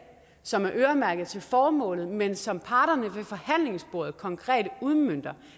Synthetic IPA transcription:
sɒ̽mæɐʔøːɐmæɐɡ̥ð̞̩ˠt͡sʰe̝lfɒːmɔ̰̽ːlð̩ˠmensɒ̽mpʰɑ̈ːɾ̥ɐnəʋefɒ̽hæn̰le̝ŋsb̥o̝ɐ̰ð̞̩ˠkʰɒ̽ŋkʰʁɛ̰ːd̥uðˠmøn̰d̥ɐ

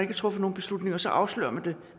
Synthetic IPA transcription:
ne̝ɡ̥t͡sʰʁɔ̽fəno̝ːn̩b̥e̝slud̥ne̝ŋɐsɒ̽ʔɑ̈ʊslø̰ːɐmænd̥e̝

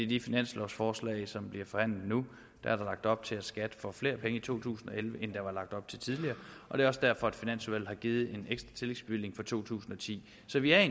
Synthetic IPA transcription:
e̝d̥ifinæn̰slɒ̰ʊsfɒːslɛ̰ɪsɒ̽mb̥liɐfɒ̽hæn̰lð̩ˠnu | d̥ɑ̈æɐɾɑ̈lɑ̈ɡ̥̚d̥ɒ̽b̥̚t͡sʰe̝æsɡ̥æd̥əfɒ̽fle̝ːɐpʰeŋəit͡sʰo̝̰ːt͡sʰṵːsn̩ɒ̽elʋəʔend̥ɑ̈ʋɑ̈lɑ̈ɡ̥̚d̥ɒ̽b̥̚t͡sʰe̝t͡sʰið̞ˠliɐːʔɒ̽d̥e̝ɐɒ̽səd̥æɐ̰fɒ̽æd̥finæn̰sʋæl̰hɑ̈ɡ̥iːð̞̩ˠe̝neɡ̥sd̥ʁɑt͡sʰe̝leɡ̥sb̥yle̝ŋfɒ̽t͡sʰo̝̰ːt͡sʰṵːsn̩ɒ̽t͡sʰḭː | sɒ̽ʋiæɐe

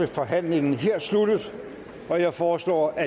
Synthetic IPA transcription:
əfɒ̽ɦæn̰le̝ŋn̩ɦeɐ̰slud̥əð̩ˠ | ɒ̽jɑ̈ɪfɒːslɒ̰ːæ

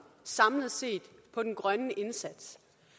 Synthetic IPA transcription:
sɑ̈mləð̩ˠse̝̰ːd̥pʰɒ̽d̥enɡ̥ʁɶnəʔe̝nsæd̥s

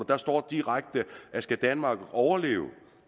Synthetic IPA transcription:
ɐd̥ɑ̈sd̥ɒ̰ːd̥iʁaɡ̥̚d̥əʔæsɡ̥æd̥ænmɑ̈ːɡ̥ɒʊɐle̝̰ːʊ

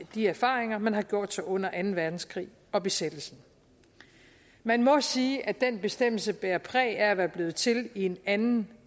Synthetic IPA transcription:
d̥iæɐfɑ̈ːʁeŋɐmænɦɑ̈ɡ̥jo̝ɐ̰d̥sɑ̈ʔɔ̽n̰ɐʔænn̩ʋæɐd̥n̩skʰʁḭː | ɒ̽b̥e̝sed̥l̩sn̩ | mænmɒ̽siːʔæd̥enb̥e̝sd̥em̰l̩səb̥eːɐpʰʁɛ̰ːæɐæʋæɐb̥le̝ːð̩ˠt͡sʰe̝lie̝nænn̩

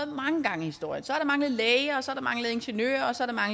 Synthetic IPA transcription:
ðˠmɑ̈ŋəɡ̥ɑ̈ŋəihisd̥o̝ɐ̰jənsɒæɐɾ̥ɑ̈mɑ̈ŋləð̩ˠlɛːɪəɒ̽sɒ̽æɐɾ̥ɑmɑ̈ŋləð̩ˠe̝nɕənø̰ːɐɒ̽sɒ̽æɐɾ̥mɑ̈ŋl

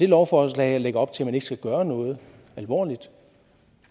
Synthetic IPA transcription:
d̥e̝lɒʊfɒslɛ̰ɪæleɡ̥ɐɒ̽b̥̚t͡sʰe̝lmæne̝ɡ̥sɡ̥æɡ̥ɶːɐnɔ̽ːð̞̩ˠ | ælʋɒ̰ːlid̥

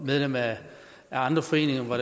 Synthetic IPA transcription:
með̞ˠlem̰æ | æɑ̈nd̥ʁɐfɒ̽e̝̰ːne̝ŋɐʋɑɾ̥e

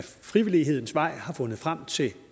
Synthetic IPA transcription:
fʁiʋiliɦe̝ð̰ˠn̩sʋɑ̈ɪ̰hɑ̈fɔ̽nəð̩ˠfʁam̰t͡sʰe̝

